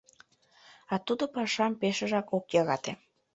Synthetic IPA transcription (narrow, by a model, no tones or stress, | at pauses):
ɑt̪ud̪opɑʃɑmpeʃə̆ʒɑkokjɑɣɑt̪e